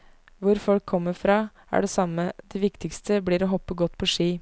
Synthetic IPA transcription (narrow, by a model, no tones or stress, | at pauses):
ʋʊɾfɔlkʰːɔmːəɾfɾɑː | æ̰ɖɛsɑmːəd̪̥ɛʋɪkt̪ɪkst̪ʰəbliːɾɔɦɔpːəɡɔt̪ːpʰɔʂiː